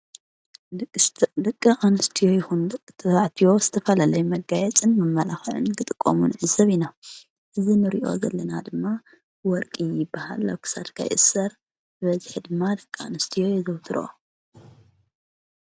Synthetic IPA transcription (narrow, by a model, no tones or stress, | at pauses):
dɨkʼːɨʔanɨst̪ʰijo̞jɪxunt̪ʰɐaʕt̪ʰiwo̞z̥ɨt̪ʰɐfɐlalɐjumɐɡːajɛt͡sʼɨnmɐmːɐlaxʕɨ̰nkɨt̪ʼɨkʼːo̰munʕɨzɐβina | ʔɨzinɨɾḭʔo̰zɐ̰lːɐnad̪ɨmːa | wɔɾkʼijɪbːaha̰lːa̰wkʰɨ̥sa̰t̪kʰa̰jʔɨ̰sɐɾ | bɨβɐzħid̪ɨmːad̪ɐkʼːɨa̰nɨst̪ʰijo̞jɛzɐwt̪ʰɨɾo̰